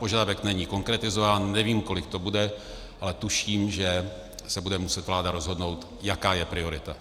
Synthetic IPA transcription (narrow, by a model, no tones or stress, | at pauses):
poʒadavɛknɛɲiːko̞ŋkɾɛt̪ɪzovaːnnɛviːmko̞lɪkt̪o̞budɛ | ʔalɛt̪uʃiːmʒɛ | sɛbudɛmusɛt̪vlaːdaɾo̞zɦo̞dno̞wt̪ | jakaːjɛpɾɪo̞ɾɪt̪a